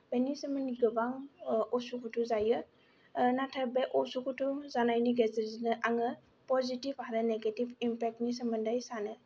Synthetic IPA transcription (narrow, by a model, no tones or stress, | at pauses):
b̥enisəmɯniɡɯbaŋɔsukʰutʰuzajɯ | natʰabeʔɔsukutʰuzanajniɡezeɾzinɯʔaŋɯ | pɔzitibaɾɯneɡetibimpɛk̚tnis̬əmɯndajsanɯ